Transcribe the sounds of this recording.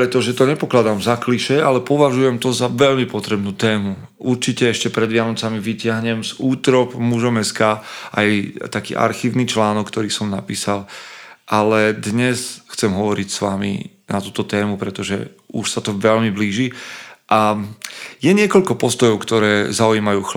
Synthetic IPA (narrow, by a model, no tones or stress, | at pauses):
pɾɛt̪ɔʒɛt̪ɔɲɛpɔklad̪aːmzakliʃɛalɛpɔʋaʒujɛmt̪ɔzaʋɛʎmipɔt̪ɾɛbnuːt̪ɛːmu | ʔuɾt͡ʃicɛɛʃcɛpɾɛd̪ʋɪanɔt͡samiʋicɪaɦɲɛmzuːt̪ɾɔpmuʒɔmɛskaːʔajt̪akḭːʔa̰ɾxiːʊnit͡ʃlaːnɔkːt̪ɔɾiːsɔmnapiːsalʔalɛd̪ɲɛsxt͡sɛmɦɔʋɔɾicsʋamḭ | nat̪uːt̪ɔt̪ɛːmupɾɛt̪ɔʒɛ̰ | uʃsat̪ɔʋɛʎmibliːʒiʔa | jɛɲɪɛkɔʎkɔpɔst̪ɔjɔʊkt̪ɔɾɛːzauiːmajuːx